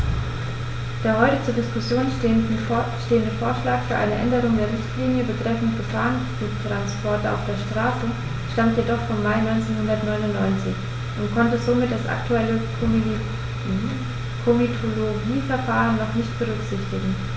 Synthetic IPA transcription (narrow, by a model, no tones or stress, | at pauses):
d̥eːɐhɔʏtət͡suːɐdɪskʊsjoːnnʃteːəndəfoːɐʃlaːkfyːɐʔaɪnəʔɛndəʁ̞ʊŋdeːɐʁɪçtliːnjəbətʁ̥ɛfn̩tɡ̥əfaːʁənfyːɐtʁ̥anspʰɔɐtəa̰ʊfd̥eːɐʃtʁ̥aːsə | ʃtamtjedɔχfɔmːaɪnɔʏnt͡seːnhʊndɐtnɔʏnʊntnɔʏnt͡sɪç | ʔʊntkʰɔntəzoːmɪt̚d̥asʔa̰ktʰuɛlə | kʰomitʰoloɡiːfɛɐfaːʁənːɔχnɪçt̚b̥əʁʏkz̥ɪçtɪɡŋ̩